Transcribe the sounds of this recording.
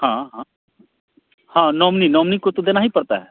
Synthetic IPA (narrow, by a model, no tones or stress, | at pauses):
hãɦã | hãːnɔːmninɔːmnikot̪od̪eːnaɦipɐɾt̪aɦɛː